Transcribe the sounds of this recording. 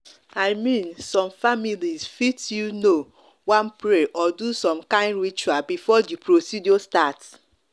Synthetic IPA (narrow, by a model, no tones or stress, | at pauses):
aɪmĩnsɔ̃mfamilizfitjuno | wãnpɾeʔɔdusɔ̃mkãɪ̃ndɾit͡ʃuabifɔdipɾosidjɔstat